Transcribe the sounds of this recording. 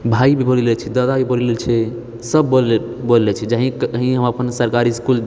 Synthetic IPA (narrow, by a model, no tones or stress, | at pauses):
bʱaibʱibollelt͡ʃʰɛd̪ad̪abʱibollelt͡ʃʰɛ | səbol | bollɛt͡ʃʰɛd͡ʒəɦĩkɦĩɦəməpənsəɾkaɾiskul